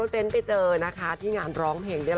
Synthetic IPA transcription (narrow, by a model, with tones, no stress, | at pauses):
t̪e˧˥˦npa˧˩t͡ɕɤː˧na˦˥kʰa˦˥t̪ʰiː˥˩ŋaː˧nɾɔː˦˥ŋpʰeː˧˩ŋda˥˩